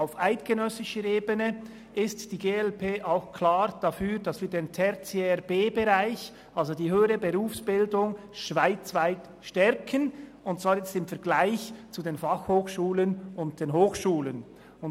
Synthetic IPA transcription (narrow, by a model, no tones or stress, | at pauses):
aʊfʔaɪtɡ̥ənœsɪʃəɾeːbənə | ʔɪstd̥iːɡeːɛlpʰeːʔaʊxkʰlaːɾd̥afyːɾdasv̥iːɐdeːntʰɛɾt͡seɛɾbeːbəʁaɪç | ʔalzodiːɦøːəɾəbəɾuːfsb̥ɪldʊŋ | ʃv̥aɪt͡svaɪt | ʃtɛɾkʰən | ʊnt̚t͡sv̥aːɾjɛt͡stɪmfɛɐɡlaɪçt͡sudeːnfaxhoːxʃuːlənʊnt̚d̥eːnɦoːxʃuːlən | ʊn